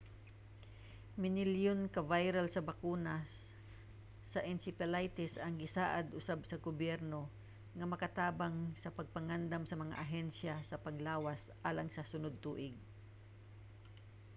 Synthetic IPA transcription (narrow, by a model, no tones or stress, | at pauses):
mɪnɪljonkɐvajɾalsɐbakuːnas | sɐʔɪnsɪpɛlajt̪ɪsɐŋɡɪsaːʔad̪ʔʊsabsɐɡobjɛɾno | ŋɐmɐkɐt̪aːbaŋsɐpɐɡ̚pɐŋand̪amsɐmɐŋa̰ʔɐɦɛnʃjasɐpɐŋlaːwas | ʔaːlaŋsɐsʊnod̪̚t̪uːʔɪɡ̚